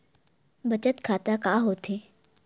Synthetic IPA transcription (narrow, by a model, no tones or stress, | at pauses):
bɐt͡ʃət̪kʰaːt̪akaːɦoːt̪ʰe